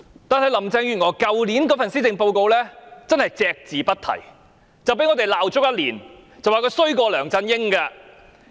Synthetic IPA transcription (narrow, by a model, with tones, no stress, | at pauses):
t̪aː˨nhɐ˨jlɐ˨˩mt͡sɛː˧ŋjy˨˩nŋɔː˨˩jkɐ˨wliː˨˥nkɔː˨˥fɐ˨nsiː˥t͡sɪ˨˧ŋpo˧wko˧wlɛː˥t͡sɐ˥nhɐ˨jt͡sɛː˧k̚t͡siː˨pɐ˥t̚t̪ʰɐ̰˨˩j | t͡sɐ˨wpe˨˥ŋɔː˨˧te˨jlaː˨wt͡ʃʊ˥k̚jɐ˥t̚liː˨˩n | t͡sɐ˨waː˨kɵ˧jsɵ˥ɥkɔː˧lœː˨˩ŋt͡sɐ˧njɪ˥ŋkaː˧